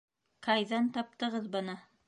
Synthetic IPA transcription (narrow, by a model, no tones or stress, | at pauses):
kʰɑjðɑnt̪ʰɑp̚t̪ɤʁɤðbɤ̆nɤ